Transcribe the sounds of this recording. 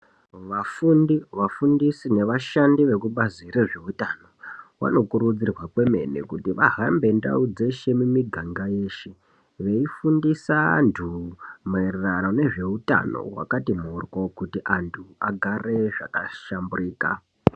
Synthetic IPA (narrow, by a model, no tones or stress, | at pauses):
ʋafundiʋafundisine̞ʋaʃandiʋe̞kuɓazireʐe̞utano̞wa̰no̞kuɾud͡zirwakwe̞me̞̰nḛkutiʋaɦambe̞nda̰ud͡ze̞ʃe̞mumiɡʱaŋɡaje̞ːʃe | ʋe̞ifundisantʰumererano̞ne̞ʐe̞uta̰no̞̰wa̰katimuːrwo̞kutiʔantʰuaɡʱare̞ʐa̰kaʃamburiːka̰